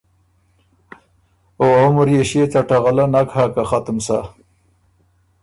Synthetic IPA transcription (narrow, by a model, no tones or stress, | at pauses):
oamʊɾjeɕet͡saʈaɣalanakhakaχat̪əmsa̰